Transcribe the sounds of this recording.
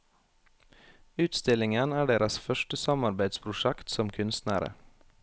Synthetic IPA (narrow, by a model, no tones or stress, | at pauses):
ʉːt̪st̪ɪlɪŋənæːɖeːɾəsfœʃʈəsɑmɑɾbæɪd̪spʰɾʊʃɛkt̪sɔmkʰʉnst̪næːɾə̰